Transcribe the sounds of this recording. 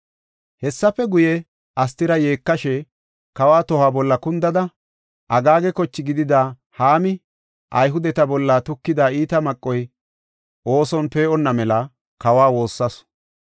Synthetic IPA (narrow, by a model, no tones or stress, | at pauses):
hɛsːɐpːɛɡʊjɛ | ɐs̬t̪ɪɾɐje̞ːkːɐʃɛ | kɐwaːt̪ɔhaːbɔlːɐkʊnd̪ɐd̪ɐ | ʔɐɡaːɡɛkɔt͡ʃːɪɡɪd̪ɪd̪aː | haːmɪ | ʔɐjɦʊd̪ɛt̪ɐbɔlːat̪ʊkːɪd̪aːiːt̪ɐmɐkʼːɔj | ʔo̞ːsɔnpe̞ːʔɔnːɐmɛlɐ | kɐwaːwo̞ːsːɐs